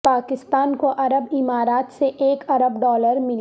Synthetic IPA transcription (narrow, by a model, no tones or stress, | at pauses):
paːkɪst̪aːnkoʔɐɾəbɪmaːɾaːt̪seʔeːkɐɾəbɖɔːləɾmɪl